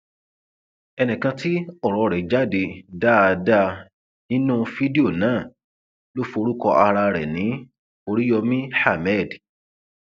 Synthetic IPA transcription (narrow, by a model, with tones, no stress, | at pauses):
ɛ˧nĩ˨kã˧ti˦ɔ˦˨ɾɔ˧ɾɛ˨d͡ʒa˦˨de˧da˦˨˧da˦ | nĩ˦nũ˦fi˦di˦o˦˨nãː˦˨ | lo˦fo˧ɾu˦kɔ˧ʔa˧ɾa˧ɾɛ˨nĩ˨˦ | o˧ɾi˦jɔ˧mĩ˦ħa˦˨mɛ˦˨d